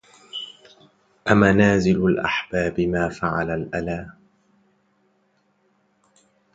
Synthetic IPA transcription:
ʔamanaːzɪlalʔa̰ħbaːbɪmaːfaʕalalʔalaː

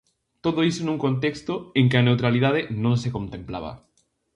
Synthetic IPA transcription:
t̪oðoisonũŋkont̪ekst̪oeŋkɪanewt̪ɾalið̞að̞enõŋsekõnt̪ẽmpla̰βɐ̰

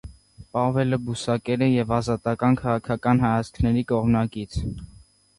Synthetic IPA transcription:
pɑvɛləbusɑkɛɾəjɛvɑzɑt̪ɑkɑnkʰɑʁɑkʰɑkɑnɦɑjɑt͡sʰkʰnɛɾikɔʁmnɑkit͡sʰ

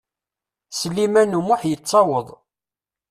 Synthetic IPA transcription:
səlːimænumʊħjət͡sˤːɑwəðˤ

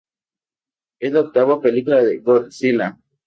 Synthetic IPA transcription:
ed̪ok̚t̪aβopelikulaðeɡoɾsila

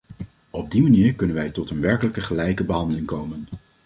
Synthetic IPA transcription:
ɔb̚dimaniːɹkɵnənʋɛjtɔtənʋɛɹkələkəχəlɛjkəbəɦɑndəlɪŋkowmən

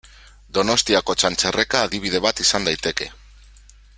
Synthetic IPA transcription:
d̪o̞no̞st̪iako̞t͡ʃant͡sere̞kaːðiβ̞ið̞e̞βat̪isand̪ajt̪e̞ke̞

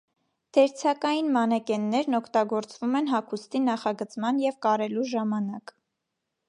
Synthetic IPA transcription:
d̪̥ɛɾt͡sʰɑkɑjinmɑnɛkɛnːɛɾnɔkʰt̪ɑɡɔɾt͡svumɛnɦɑkʰust̪inɑχɑɡət͡smɑnjɛvkɑɾɛluʒɑmɑnɑk

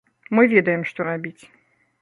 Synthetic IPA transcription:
mɨvʲed̪əjɪmʂt̪oɾabʲitʲ

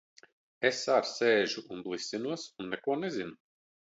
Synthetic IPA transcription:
esːaɾseːʒuʔunblˠisʲinuɔsunːɛkuɔnezinu

